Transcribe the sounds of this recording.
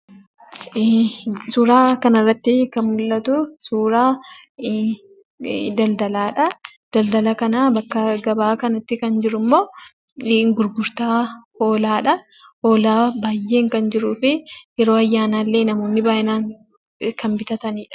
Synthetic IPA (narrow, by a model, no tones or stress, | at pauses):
suːɾaːkɐnɐrːɐt̪ːɪkɐnmʊlːɐt̪ʊsuːɾaː | d̪ɐld̪ɐlaːᶑɐ | d̪̥ɐld̪ɐlɐkɐnaːbɐkːɐɡɐbaːkɐnɐt̪ːɪkɐnd͡ʒɪɾʊmːo̞ː | ɡʊɾɡʊɾt̪aːho̞ːlaːᶑɐ | ho̞ːlaːbaːjːe̞ːŋkɐnd͡ʒɪɾuːfɪjɛɾo̞ːɐjːaːnaːlːe̞ːnɐmo̞ːnːɪbaːʔɪnaːŋ | kɐnbɪt̪ɐt̪ɐniːᶑɐ̥